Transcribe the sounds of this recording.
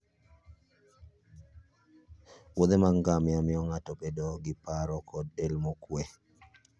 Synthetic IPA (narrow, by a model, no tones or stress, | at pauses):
wod̪emaŋɡamɪamɪɔŋatɔpedɔɡɪpaɾɔkɔdelmokwe